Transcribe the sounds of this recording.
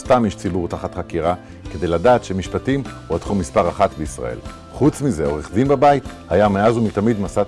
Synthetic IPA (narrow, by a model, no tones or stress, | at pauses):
st̪amjiʃt͡sibuʁt̪aχat̪χakiʁa | ke̞d̪e̞jladaːt̪ʃemiʃpatimuat̪χumispaʁaχatbeisʁa̰ḛl | χut͡smizeo̞ʁeχdinbabait̪hajameazumitamid̪masa